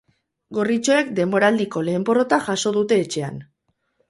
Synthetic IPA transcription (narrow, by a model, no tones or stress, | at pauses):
ɡo̞rit͡ʃo̞e̞k̚d̪e̞mbo̞ɾald̪iko̞le̞ːmboro̞t̪aʝaso̞ð̞ut̪e̞ːt͡ʃe̞a̰n